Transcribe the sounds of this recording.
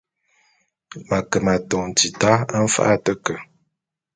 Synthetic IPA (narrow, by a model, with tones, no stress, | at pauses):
ma˨kə˨ma˨tɔ˨ŋn˨ti˨ta˦a˦m̩˦fa̰˦ʔa˦tə˦kə˨